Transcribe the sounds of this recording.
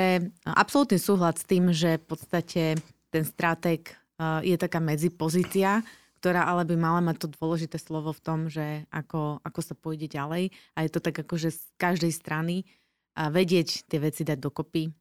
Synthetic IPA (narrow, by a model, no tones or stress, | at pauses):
pɾɛʔa̰psɔlut̪niːsuːɦlasst̪iːmʒɛfpɔt̪st̪acʰɛ | t̪ɛnst̪ɾat̪ɛk | jɛt̪akaːmɛd͡zipɔziːt͡sia | kt̪ɔɾaːʔalɛbimalamac̚t̪ɔd̪ʊɔlɛʒit̪ɛːslɔʋɔft̪ɔmʒɛʔakɔʔakɔsapɔjɟɛɟalɛjajɛt̪ɔt̪aɡakɔʒɛs | kaʒd̪ɛjst̪ɾani | ʋɛɟɪɛct̪ɪɛʋɛt͡sid̪aɟ̚d̪ɔkɔpi